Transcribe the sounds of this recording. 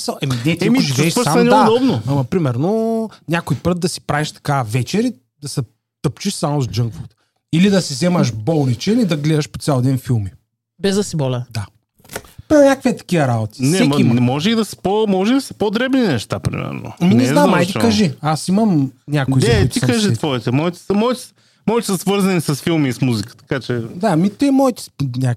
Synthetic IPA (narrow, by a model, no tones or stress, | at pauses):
saʔɛminɛt̪imiʒivɛːʃsamɐnʲɛdad̪ɔbnoɐmɐpɾimɛɾnonʲakojpɾɤt̪̚d̪ɐsi̥pɾaviʃt̪ɐ̥kavɛt͡ʃɛɾi | d̪ɐsɛ | t̪əpt͡ʃiʃsamozd͡ʒəŋɡvut̪ | ilid̪ɐsizɛmɐʃbɔlˠnit͡ʃɛilid̪ɐɡlɛd̪ɐʃpot̪sʲalˠd̪ɛnfilˠmi | bɛzd̪ɐsibɔlʲəd̪a | pɛnʲɲʲakəkviɛt̪ɐ̥kiɐɾabot̪i̥nsɛɛimɛmɔʒɛid̪ɐsɛ̥pomɔʒɛid̪ɐsɐpod̪ɾɛbninɛʃt̪apɾḭmɛ̰ɾno̰minɛznamajt̪ikɐʒiasimɐmnʲakoizɛit̪ik̪kaʒit̪vɔit̪ɛmɔit̪ɛ̥səmɔit̪ɛ̥ | mɔit̪ɛsɐsvɤɾzɐnisɐsfilˠmiːsmuzikə̥t̪ɐ̥kat͡ʃɛd̪amit̪ɛmɔit̪ɛ̥nʲa